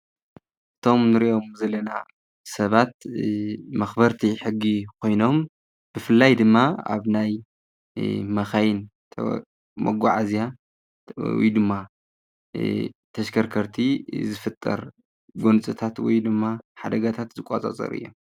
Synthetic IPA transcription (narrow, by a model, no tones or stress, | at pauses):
ʔɨt̪ʰo̞mnɨɾiʔo̞mzɐlɐna̰ | sɐβat̪̚ | mɐxbɐɾt̪ʰiħɨɡːikʰo̞jno̞m | b̥ɨfɨlːajd̪ɨmːaa̰βnaj | mɐxajɪnt̪ʰ | mɐ̰ɡʷaʕazija | w̰jd̪ɨmːa | t̪ʰɐʃkʰɐɾkʰɐɾt̪ʰizɨfɨt̪ʼːɐ̰ɾ | ɡont͡sʼɨt̪ʰat̪wɔ̰jd̪ɨmːaħad̪ɐɡat̪ʰat̪zɨkʷʼa̰t͡sʼa̰t͡sʼɐ̰ɾɨ̰jːo̞̰m